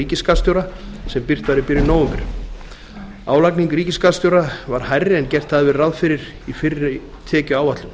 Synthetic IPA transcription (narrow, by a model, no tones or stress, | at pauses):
iːcɪskast̪ʏɾasɛmpɪr̥t̪vaɾɪpɪɾjʏnoːwʏmpɪɾ | aːwlakniŋkɾiːcɪskast̪ʏwɾavaɾ̥hajrːɪɛncɛr̥t̪haðvɪðraðfɪɾɪɾ | ifɪɾɪ | t̪ʰɛːcʏaːwvat̪lʏm